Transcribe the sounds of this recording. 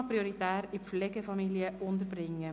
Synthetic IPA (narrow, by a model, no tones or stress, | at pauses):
pɾioɾit̪æːɾɪflɛɡəfɑmiljəʔʊnd̪əɾbɾɪŋːə